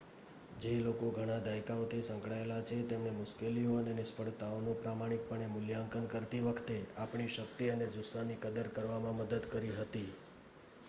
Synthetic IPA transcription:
d͡ʒelokoɡʱəɽ̃ad̪ʱajkaot̪ʰisə̃ŋkɽaelat͡ʃʰet̪emnemʊʃkelioənenɪspəɽt̪aonũpɾamaɽ̃ik̚pəɳ̃emʊljaŋkənkəɾt̪iʋəkʰt̪eapɳ̃iʃək̚t̪iəned͡ʒʊsʋanikəd̪əɾkəɾʋamãməd̪əd̪kəɾiɦət̪i

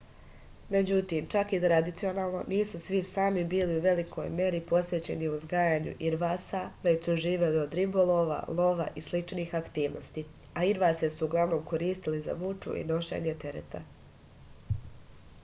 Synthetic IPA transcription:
me̞d͡ʑut̪iːmt͡ʃakit̪ɾad̪it̪sio̞naːlˠno̞̰niːsusʋisaːmibiːliuʋe̞likʰo̞̰jmʲje̞ɾipo̞sʋe̞t͡ɕe̞niuzɡaːjaːɲṵʔiɾʋaːsaʋe̞t͡ɕsuʒiːʋe̞lio̞d̪ɾibolˠoːʋa̰lˠo̞ʋa̰ʔislit͡ʃniːxakt̪iːʋnost̪i | aiɾʋaːsjesuuɡlˠaʋno̞ːmko̞ɾiːst̪iliza̰ʋut͡ʃṵʔḭno̞ʃe̞̰ːɲe̞t̪e̞ɾḛt̪ʰa̰

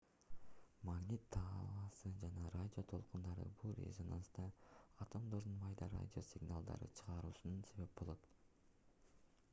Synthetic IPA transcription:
maɡnʲit̪ʰːɑːlɑsɯd͡ʒɑnɑɾadʲɪo̞t̪ʰo̞lˠqund̪ɑɾɯ̰bulˠɾʲḛzona̰nsd̪ɑɐt̪o̞md̪o̞ɾd̪unmɑjd̪ɑɾa̰dʲɪo̞sʲɪɡnalˠd̪ɑ̰ɾɯ̰t͡ʃʰɯ̥ʁɑɾuːsununse̞βe̞p̚bo̞lˠo̞t̪

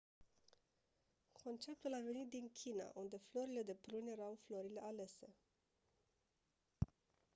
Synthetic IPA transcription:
kʰo̞nt͡ʃe̞p̚t̪ulave̞nit̪̚d̪iŋkʲʰina̰ʔund̪e̞flo̞ɾile̞d̪e̞pɾunje̞ɾawflo̞ɾile̞ʔale̞se̞

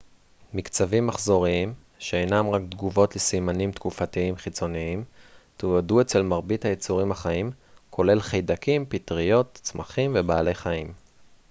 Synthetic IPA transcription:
mikt͡savimːaχzo̞ʁiim | ʃeejnamʁakd̪ɡuvo̞tlesimanimt̪kufatiimχit͡so̞niimt̪uadue̞t͡se̞lmaʁbithajet͡suʁimhaχaim | kʰo̞le̞lχejdakimpitʁijo̞t̪t͡smaχimvebaːle̞jχaim

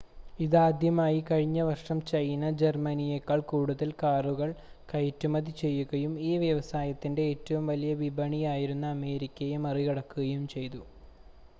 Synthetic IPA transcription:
iðaːd̪ʱjɐmaːjikɐɻiɲːɐʋɐrʂɐmt͡ɕɐjnɐd͡ʑermɐnijekːaːɭkuːɽuðɐlkaːruɣɐɭ | kɐjtːumɐðit͡ɕe̞jːuɣɐjumiːʋjɐʋɐsaːjɐt̪ːinde̞ːtːɐʋumʋɐlijɐʋibʱɐɳijaːjiɾunːɐːme̞ːɾikʲːɐjemɐrijɐɽɐkːuɣɐjumt͡ɕe̞jt̪u

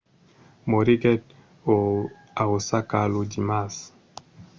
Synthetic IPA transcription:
moɾiɡɛd̚ | o | aosakalod͡ʒimas

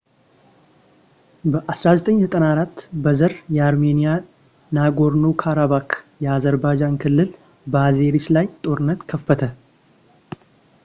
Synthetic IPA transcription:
bəʔasɾazət̪ʼəɲːsɨt̪ʼənaɾat̪ːbəzəɾjɛaɾme̞nija | naɡo̞ɾnukʰaɾaβakʰjɛazəɾbad͡ʒankʰɨlːɨl | bəaze̞ɾit͡ʃlajt̪ʼo̞ɾɨnːət̪kʰəfːət̪ʰə

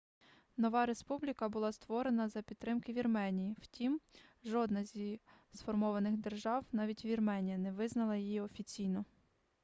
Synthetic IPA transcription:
nɔʋɑɾe̞spublʲikɐbʊlˠɑst̪ʋɔɾe̞nɐzɐpʲid̪t̪ːɾɪmkɪʋʲirmɛnʲijiwtʲimʒɔd̪nɐzʲisfɔrmɔʋɐnɪxd̪e̞rʒɑwnɑʋʲitʲʋʲirmɛnʲijɐnɛʋɪznɐlˠɐjijiɔfʲit͡sʲijnɔ

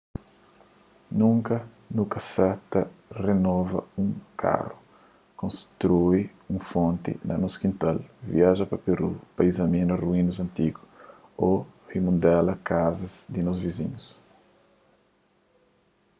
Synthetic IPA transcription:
nũŋkɐ | nukɐsɛt̪ɐrenɔvɐ̰ũŋkʰa̰ru | kõnst̪ɾui | ũfõnt̪ḭnɐ̰noskĩnt̪alvḭaʒɐpɐpeɾupaizɐmĩnɐruĩnuzɐ̃nt̪iɡʊ | ohimũnd̪ɛlɐkazɐzd̪inozvizḭ̃ɲus

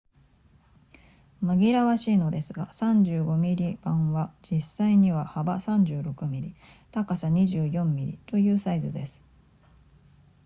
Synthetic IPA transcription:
maɡʲiɾaβaɕiːno̞d̪e̞sɨɡasãɲ̟d͡ʑɨːɡo̞mʲiɾʲib̥ãɰ̃βad͡ʑisːaiɲ̟iβ̞ahabasãɲ̟d͡ʑɨːɾo̞kɯ̟mʲiɾʲit̪akasaɲ̟iʑɨːjõ̞mːʲiɾʲḭt̪o̞jɯ̟ːsaizɨd̪e̞sɨ̥

